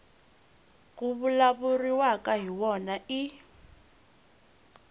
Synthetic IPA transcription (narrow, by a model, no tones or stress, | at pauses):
k̬ʼuβulaβuriwakʼaɦiwɔnaʔi